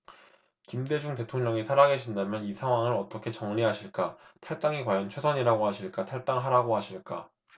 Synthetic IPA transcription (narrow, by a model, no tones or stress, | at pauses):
kimde̞d͡ʑuŋte̞tʰoŋɲʌŋisʰaɾaɡeɕʰindamjʌnisʰaŋɦwaŋɯɾʌt͈ʌkʰe̞t͡ɕʌŋʎiɦaɕʰiɭk͈atʰaɭt͈aŋikwajʌnt͡ɕʰwe̞sʰʌɲiɾaɡoɦaɕʰiɭk͈atʰaɭt͈aŋɦaɾaɡoɦaɕʰiɭk͈a̰